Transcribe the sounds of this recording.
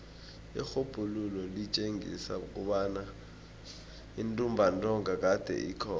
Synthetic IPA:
ixob̥ʱululɔlit͡ʃʼeŋḭsa̰uk̬ʼuɓana | intʼumbʱantʼɔŋak̬ad̥ʱɛ̰ʔikʰɔː

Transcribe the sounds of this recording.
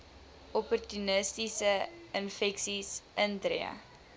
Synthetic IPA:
ɔpɔrtynəstisəənfɛksisəntɾḭə̰

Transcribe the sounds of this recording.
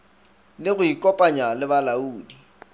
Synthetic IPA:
lɪɣʊikʼɔpʼaɲalɪβalauːdi

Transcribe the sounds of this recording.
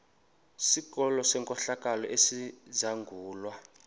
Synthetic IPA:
sikɔlɔsɛŋkʼɔɬakʼalɔʔesizaŋɡʱuːlwa

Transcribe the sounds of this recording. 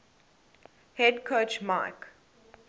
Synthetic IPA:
hɛdkʰot͡ʃmaɪk

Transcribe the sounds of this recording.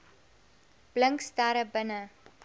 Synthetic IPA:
b̥ləŋkstaːɾəbənə

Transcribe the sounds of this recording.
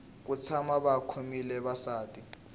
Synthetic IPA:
k̬ut͡sʰamaɓakʰomilɛβasaːtʼi

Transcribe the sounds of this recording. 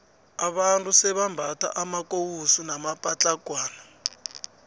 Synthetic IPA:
aβantʰʼusɛβambʱata̰ʔamakowusunamapʼat͡ɬaɡ̥ʱwaːna

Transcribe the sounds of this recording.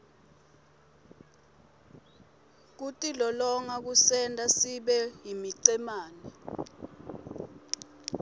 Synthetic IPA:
k̬utʼilɔlɔŋak̬usɛntʼasiɓɛɦimiǀɛmaːnɛ

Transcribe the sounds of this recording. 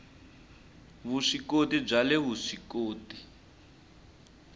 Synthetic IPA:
βuʂikotib͡ʐalɛβuʂikoːti

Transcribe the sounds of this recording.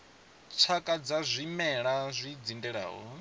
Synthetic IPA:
t͡sʰakʼad͡zazʷimɛɺazʷid͡zindɛɺa̰ːɦɔ

